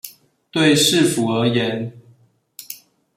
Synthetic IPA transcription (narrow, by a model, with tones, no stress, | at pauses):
t̪we˥˨ɪʂɻ̩˥˨fu˨˩˦ə˧˦jɛ˨˦n